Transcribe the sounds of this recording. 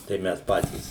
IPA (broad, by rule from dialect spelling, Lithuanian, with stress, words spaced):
tɐɪ ˈmʲɛs ˈpɑːtʲiːs